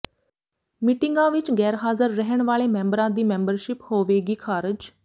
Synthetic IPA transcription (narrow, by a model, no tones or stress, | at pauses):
miʈɪŋɡãːʋɪt͡ʃɡɛːɾɦaːzəɾːəɦəɳʋaːɭeːmɛ̃ːmbəɾãːd̪iːmɛ̃ːmbəɾʃɪphoːʋeːɡiːkʰaːɾɪd͡ʒ